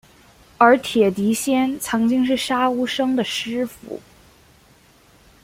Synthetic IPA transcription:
ə˞˧˥t̪ʰjɛ˨˩t̪i˧˥ɕjɛ˥nt͡sʰɤ˧˥ŋt͡ɕi˥ŋʂ̬ɻ̩˥˩ʂa˥u˥ʂɤ˥ŋd̪ə˨ʂɻ̩˥fṵ˧˩˦

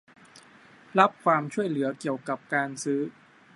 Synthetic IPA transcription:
la˦˥p̚kʰwaː˧mt͡ɕʰu˥˩əjlɯ˩˦ɐki˨˩əwka˨˩p̚kaː˧nsɯː˦˥

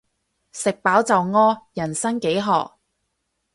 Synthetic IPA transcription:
sɪ˨k̚paː˨˥wt͡sɐ˨wŋɔː˥jɐ˨˩nsɐ˥ŋke˨˥jɦɔ̰ː˨k̚

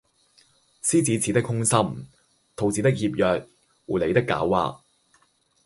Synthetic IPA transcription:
siː˥t͡siː˨˥t͡sʰi˨˥t̪ɪ˥khʊ˥ŋsɐ˥m | t̪ʰo˨˩wt͡siː˨˥t̪ɪ˥k̚hiː˧p̚jœː˨k̚ | uː˨˩le˨˧jt̪ɪ˥kːa̰ː˨˥wːa̰ː˨˧

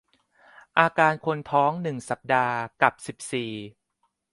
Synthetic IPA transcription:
ʔaː˧kaː˧nkʰo˧nt̪ʰɔː˦˥ŋnɯ˨˩ŋsa˨˩p̚daː˧ka˨˩p̚si˨˩p̚siː˨˩

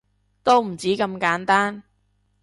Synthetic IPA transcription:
t̪o˥wm̩˨˩t͡siː˨˥kɐ˧mkaː˨˥nt̪aː˥n

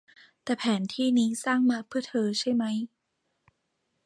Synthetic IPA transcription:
t̪ɛː˨˩pʰɛː˩˦nt̪ʰiː˥˩niː˦˥saː˥˩ŋmaː˧˩pʰɯ˥˩ət̪ʰɤː˧t͡ɕʰa˥˩jma˦˥j

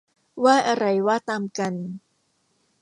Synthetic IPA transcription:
waː˥˩ʔa˧ɾa˧jwaː˥˩t̪aː˧mka˧n

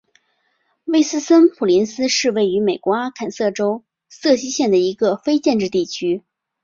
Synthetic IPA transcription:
we˥˩ɪsɹ̩˥sə˥npʰu˨˩li˧˥nsɹ̩˥ʂɻ̩˥˧we˥˩ɪy˧˥me˨˩ɪkwɔ˧˥a˥kʰa˨˩nsɤ˥˩ʈ͡ʂo˥ʊ | sɤ˥˩ɕi˥ɕjɛ˥˩nd̪ə˩i˧˥ɡə˧fe˥ɪt͡ɕjɛ˥˧nʈ͡ʂɻ̩˥˧t̪i˥˩t͡ɕʰy˥

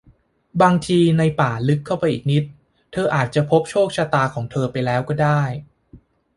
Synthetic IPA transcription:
baː˧ŋt̪ʰiː˧na˧jpaː˨˩lɯ˦˥kʰːa˥˩wpa˧jʔiː˨˩k̚ni˦˥t̪̚ʰː | ɤː˧ʔaː˨˩t̪̚t͡ɕa˨˩pʰo˦˥p̚t͡ɕʰoː˥˩k̚t͡ɕʰaː˧t̪aː˧kʰɔː˩˦ŋt̪ʰɤː˧pa˧jlɛː˦˥wkɔː˥˩daː˥˩j

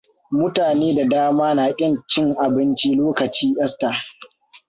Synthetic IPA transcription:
mʊ˦taː˨neː˦da˨daː˦maː˦naː˨kʲʼɪ˦nt͡ʃɪ˦ŋʔa˨bɪ˦nt͡ʃiː˦loː˦kɐ˨t͡ʃiː˦ʔɛ˦staː˨

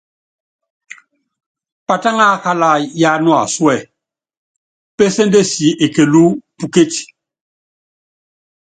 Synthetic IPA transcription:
pa˨ta˦ŋa˦ka˦la˦˨ja˦nwa̰˨su˦ɛ˦˨ | pe˦se˦nde˦si˨˦ʔe˨ke˨lu˦pu˦ke˦ti̥˨

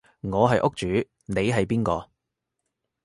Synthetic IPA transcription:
ŋɔː˨˧ɦɐ˨jʔʊ˥k̚t͡ʃyː˨˥ | ne˨˧jɦɐ˨jpiː˥nkɔː˧

